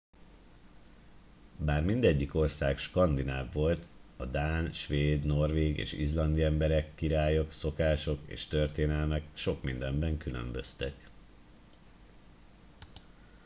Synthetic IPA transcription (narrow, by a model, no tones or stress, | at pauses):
baːrmind̪ɛɟːiko̞rsaːkʃkɒnd̪inaːvːo̞lt̪ɒd̪aːnʃʋeːd̪no̞rʋeːɡḛːʃḭzlɒnd̪iɛmbɛɾɛkːiɾaːjo̞kso̞kaːʃo̞kḛːʃt̪ørt̪eːnɛlmɛkʃo̞kmind̪ɛmbɛŋkylø̰mbø̞̰st̪ɛk